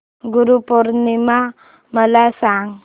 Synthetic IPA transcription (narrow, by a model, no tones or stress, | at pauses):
ɡuɾupɔɾnima | məlasaŋ